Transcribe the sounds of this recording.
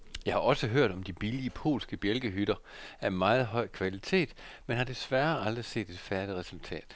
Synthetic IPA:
jɑ̈ɪhɑ̈ʔɒ̽səɦøɐ̰ɾ̥ɒ̽md̥ib̥iliəpʰo̝̰ːlsɡ̥əb̥jelɡ̥əɦyɾ̥ɐ | æɐmɑ̈ːð̞̩ˠɦɒ̽ɪ̰kʰʋælit͡sʰe̝̰ːd̥menɦɑ̈d̥e̝sʋæɐɑ̈ld̥ʁise̝̰ːd̥e̝d̥fæɐd̥iʁɛsult͡sʰɛ̰ːd̥

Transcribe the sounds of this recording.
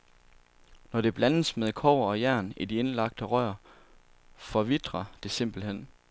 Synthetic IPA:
nɒɾ̥e̝b̥lænəsmeðˠkʰɒ̰ːɒ̽jæɐ̰nid̥ie̝nlɑ̈ɡ̥̚d̥əʁɶɐ | fɒ̽ʋid̥ʁɐd̥e̝se̝m̰b̥l̩hen̰

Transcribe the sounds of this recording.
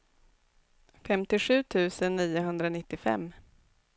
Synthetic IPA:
fɛmt̪ɪɧʉ̟ːt̪ʰʉ̟ːsənːiːʊɦɵnd̪ɾanɪt̪ːɪfɛ̰mː

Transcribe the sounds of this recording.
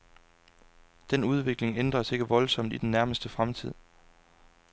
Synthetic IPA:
d̥enuð̞ˠʋe̝ɡ̥le̝ŋend̥ʁɐse̝ɡ̥əʋɒ̽lsɒ̽m̰d̥id̥enːæɐməsd̥əfʁamt͡sʰið̞̰ˠ

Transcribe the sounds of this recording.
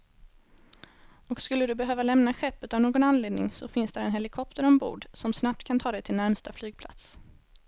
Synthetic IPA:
ɔkskɵlːəd̪ɵbɛɦøːvalɛmnaɧɛpːəːt̪avnoːɡɔnanleːd̪nɪ̰ŋsɔfɪnsd̪æɾɛnɦɛlɪkʰɔp̚t̪əɾɔmbṵːɖsɔmsnap̚t̪kʰant̪ʰɑːd̪ɛjt̪ʰɪlnæɾmst̪aflyːɡ̚pʰla̰t̪s

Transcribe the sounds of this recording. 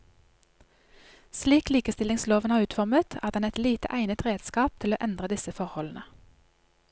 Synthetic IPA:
sliːkliːkəst̪ɪlɪŋsloːʋənhɑːʁʉːt̪fɔʁmət̪ʰæːʁd̪ɛnɛt̪liːt̪ə̰ʔæɪnət̪ʁeːd̪skɑːp̚t̪ʰɪloːʔɛnd̪ʁəd̪ɪsəfɔʁhɔln̩ə

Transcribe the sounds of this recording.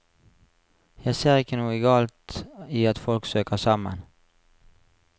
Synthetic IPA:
jæɪseːʁɪkənuːəɡɑːlt̪iːɑt̪fɔlksøːkəsɑmə̰n

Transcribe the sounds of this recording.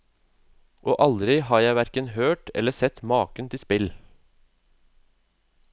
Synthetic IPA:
ʔoːʔɑld̪ɾɪhɑːɾjæɪʋæɾkənhøːʈʰɛ̰ləsɛt̪mɑːkənt̪ʰɪspɪl

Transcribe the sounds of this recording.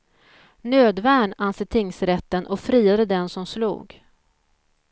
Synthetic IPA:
nøːd̪væːɳansɪt̪ʰɪŋsɾɛt̪ːənʔɔfɾiːad̪əd̪ɛnsɔmslṵːɡ

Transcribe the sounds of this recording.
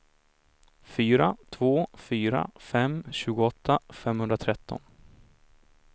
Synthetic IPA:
fyːɾat̪ʰvoːfyːɾa̰fɛmɕʉ̟ːɡʊɔt̪ʰːafɛmːhɵnd̪ɾat̪ʰɾɛt̪ʰːɔ̰n

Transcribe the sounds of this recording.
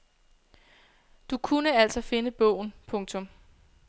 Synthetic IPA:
d̥ukʰunəæl̰sɒ̽fe̝nəb̥ɔ̰ʊ̰n̩pʰɔ̽ŋt͡sʰɔ̽m

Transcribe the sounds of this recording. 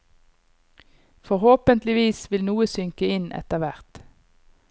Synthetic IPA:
fɔʁhoːpənt̪lɪʋiːsʋɪlnuːəsʏŋkəɪnʔɛ̰t̪əʁʋæʁt̪

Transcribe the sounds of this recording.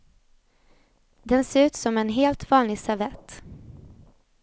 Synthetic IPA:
d̪ɛnseːɾʉ̟ːt̪sɔmɛnɦeːlt̪vɑːnlɪɡsavɛt̪

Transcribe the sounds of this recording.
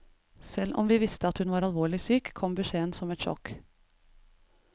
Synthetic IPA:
sɛlʔɔ̰mʋiːʋɪst̪əɑt̪hʉnʋɑːɾɑlʋoːɭɪsyːkʰːɔmbəʃeːənsɔmɛt̪ʃɔ̰k

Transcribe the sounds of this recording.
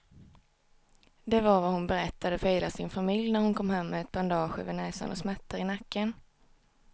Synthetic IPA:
d̪ɛvaɾvahʊnbɛɾɛt̪ːad̪əfœjlasɪnfamɪljnæɾhʊnkʰɔmɦɛmːɛːt̪̚b̥and̪ɑːɧəvɛnɛːsa̰nʔɔsmɛt̪ʰːaɾɪnakːən

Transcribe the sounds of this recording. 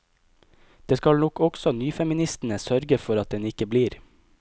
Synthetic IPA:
d̪̥eːskɑlnɔkɔksɔnyːfɛmɪnɪst̪n̩əsœɾɡəfɔɾɑt̪̚d̪ɛnɪkəbliːɾ

